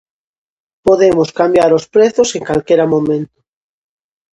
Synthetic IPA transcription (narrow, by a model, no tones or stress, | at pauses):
poðemoskambjaɾospɾeθoseŋkalkeɾamõmẽnt̪o̥